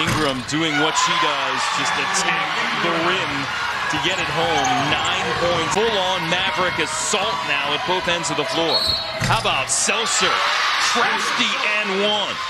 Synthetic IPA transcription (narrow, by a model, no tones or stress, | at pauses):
ɪ̃ŋɡɹɨ̃mdʉɪ̃ŋwʌtʃiɾʌ | zd͡ʒʌstɨtʰæk̚ | ðəɹɪ̃n | tʰɨɡɛɾɨt̚ɦõʊ̃mnãɪ̃npʰɔ̃ɪ̃ntfəlɔ̃ŋnæbɹɨkɨz̥sɔlˠtⁿnaʊɨt̚b̥oʊθɛ̃ndzʌvðəflɔɹ | haʊəbaʊtsɛlˠsə˞tʰɹ̥æftiʔɨ̃nwʌ̃n